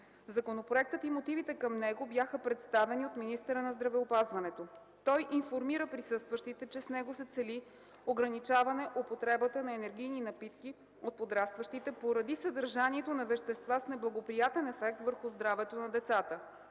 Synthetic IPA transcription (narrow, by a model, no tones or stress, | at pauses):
zɐkonopɾoɛk̚t̪ət̪imot̪ivit̪ɛkɐmnɛɡobjaxəpɾɛt̪st̪avɛniot̪minist̪ɛɾənɐzd̪ɾɐvɛopazvɐnɛt̪o | t̪ɔjʔinfoɾmiɾəpɾisɤst̪vəʃt̪it̪ɛt͡ʃɛsnɛɡosɛt̪sɛli | oɡɾɐnit͡ʃavɐnɛʔopot̪ɾɛbət̪ənɐɛnɛɾɡ̟ijninɐpit̪ki | ot̪̚pod̪ɾast̪vəʃt̪it̪ɛpoɾɐd̪isəd̪əɾʒaniɛt̪onɐvɛʃt̪ɛst̪vasnɛblˠɐɡopɾijat̪ɛnɛfɛk̚t̪vəɾxʊzd̪ɾavɛt̪onɐd̪ɛt̪sat̪ə